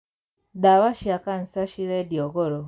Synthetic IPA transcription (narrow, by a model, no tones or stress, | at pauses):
dawaʃiakan̩saʃiɾedjoɣoɾo